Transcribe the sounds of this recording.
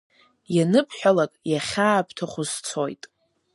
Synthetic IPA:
janɨpʰħʷᶣalakʼjaχʲaːpʰtʰaχʷʊzt͡sʰo̰jtʼ

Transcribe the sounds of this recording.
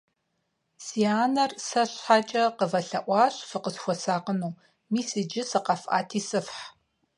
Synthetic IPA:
siaːnɐrsɐɕħat͡ʃʼɐqəvɐɬɐʔʷɑːɕfɨqəsxʷɔsaːqənuː | miːsid͡ʒɪsɨqɑfʔa̰ːtʰiːsɨfħ

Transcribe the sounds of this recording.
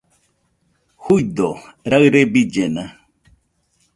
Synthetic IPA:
hujd̪oɾaɨɾebid͡ʒena

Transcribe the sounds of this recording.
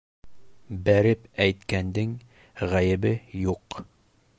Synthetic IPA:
bæɾɘpæjt̪kænd̪ɘŋ | ʁæjɘ̆bɘjuq

